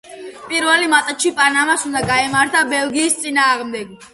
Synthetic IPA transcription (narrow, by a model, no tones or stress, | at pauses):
pʼiɾvɛlimat̪ʼat͡ʃʰipʼanamasund̪aɡaɛmaɾt̪ʰabɛlˠɡiːst̪sʼinaːʁmd̪ɛɡ